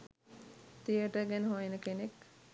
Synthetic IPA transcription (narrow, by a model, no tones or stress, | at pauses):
t̪ijəʈəɡɛnəɦojenəkenek